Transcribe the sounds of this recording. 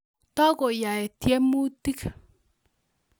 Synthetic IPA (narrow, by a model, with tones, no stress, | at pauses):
ta˦ko˨ja˨ɛ˨tjɛ˦mu˦ti˦k